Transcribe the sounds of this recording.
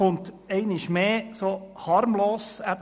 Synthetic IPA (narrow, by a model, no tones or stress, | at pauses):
ʊnt | ɛɪnɪʃmeːsoːhɑɾmloːsæd